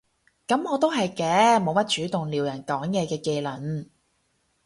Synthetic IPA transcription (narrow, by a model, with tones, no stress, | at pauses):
kɐ˨˥mɔː˨˧t̪o˥wɦɐ˨jkɛː˧mo˨˧wmɐ˥t̚t͡ʃyː˨˥t̪ʊ˨ŋliː˨wjɐ˨˩nkɔː˨˥ŋjɛː˨˧kɛː˧ke˧jlɐ˨˩n